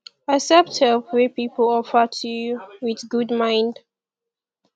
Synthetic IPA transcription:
asɛp̚thɛlpwɛpipʰəl̩ɔfətʰujwiðɡudmãɪ̃nd

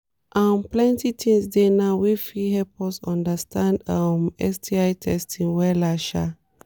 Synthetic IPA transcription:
ʔãnplɛ̃ntitʰĩŋsdenawifihɛpɔsɔ̃ndəstʰãndamɛ̰stʰiaɪtʰɛstʰĩŋwɛlaʃa

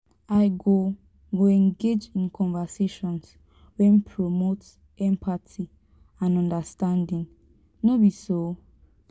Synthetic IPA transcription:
aɪɡo | ɡoɛ̃ŋɡed͡ʒĩnkʰɔ̃nvaseʃɔ̃ns | wɛ̃npʰɹomot | ɛ̃mpʰatʰi | ãnɔ̃ndastãndĩŋ | nobiso

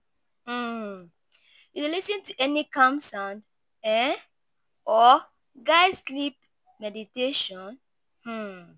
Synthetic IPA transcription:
julisĩntuʔɛnikãmsãʊ̃nd | ɛ | ʔɔ | ɡaɪslip̚ | mɛditeʃɔ̃n | hm̩

